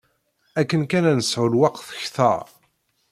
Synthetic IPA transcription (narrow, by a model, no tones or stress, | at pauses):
ækːənkænænəsʕʊlwɑqːθə̥çθɑ̰